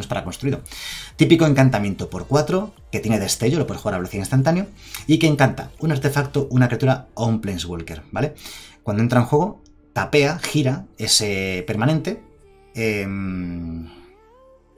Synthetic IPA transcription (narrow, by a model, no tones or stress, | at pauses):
nespaɾakonst̪ɾuiðo̞t̪ipiko̞e̞ŋkant̪amje̞nt̪opo̞ɾkwat̪ɾo̞ | ket̪jeneðe̞st̪e̞ʝo̞lopwe̞ðxwuɣaɾaβeloθiainst̪ant̪̬anjo | ike̞ːŋkant̪a̰unaɾt̪e̞fakt̪oʔunakɾat̪uɾaomplensɣolke̞ɾbale̞kwand̪oent̪ɾaeŋxwe̞ɣ̞o̞ | t̪ape̞axiɾae̞se̞pe̞ɾmãne̞nt̪e̞ | em